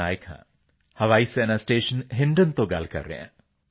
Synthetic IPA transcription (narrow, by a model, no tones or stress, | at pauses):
aːjkʰã̰ː | hɐʋaːisenasʈeːʃənɦɪɳɖənt̪oɡa̰lkɐ̰ɾːɛ̰ã̰